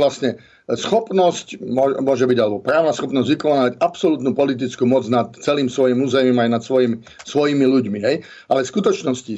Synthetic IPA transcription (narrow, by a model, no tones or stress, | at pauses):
lasɲɛ | sxɔpnɔscmʊɔɛmʊɔʒɛbiɟalɛbɔpɾaːʊnasxɔpnɔzɟʋikɔnaːacapsɔlut̪nupɔlit̪̬it͡skuːmɔd͡znat̪t͡sɛliːmsʋɔjimuːzɛjimajnat̪sʋɔjim | sʋɔjimiluɟmiɦɛj | ʔalɛskut̪ɔt͡ʃnɔsci